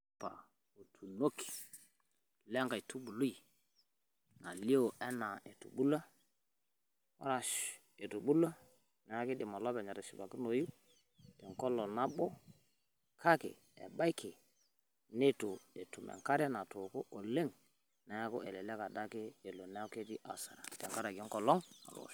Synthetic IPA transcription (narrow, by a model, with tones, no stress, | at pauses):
pa̰˨ | o˨tʰu˨no˦ki̥˨ | lɛ˦ŋka˨jtu˦ɓu˨lu˦i˨ | na˨li˦o˨ʔɛ˦na˨ɛ˨tṵ˨ɓu˦la˦ | ɔ̰˦ɾa˨ʃ | e˨tu˨ɓu˦la˦ | na˨a˦kɪ˦dɪ˨mɔ˨lɔ˦bɛ˨ɲa˨ɾɛ˨ʃi˨ba˨ki˦no˨ju˦ | tɛ˨ŋkɔ˦lɔ˨na˦ɓo˦ | kʰa˦kḛ˨ | ɛ̰˨ba˦i˦kʰe˨ | ne˦tu˨e˨tu˨mɛ̰˨ŋka˦ɾa˦na˨to˨ko˦ʔo˨le˦ŋ | na˨ja˦ko˦ʔɛ˨lɛ˨lɛ˦ka˨da˦keː˦˨lo˨na˦a˦ke˦ti˦ʔa˨sa̰˨ɾa˨tɛ˨ŋka˦ɾa˨ɡi˦ŋkɔ˨lɔ˦ŋa̰˨ɾo̰˨